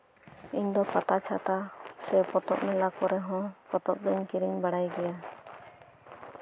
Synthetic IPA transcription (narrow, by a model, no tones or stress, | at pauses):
iɲd̪ɔkat̪at͡ʃʰat̪asɛpɔt̪ɔ̰p̚nɛlakɔɾɛɦɔ̃pɔt̪ɔp̚dɛɲkiɾiɲbaɽajɡɛja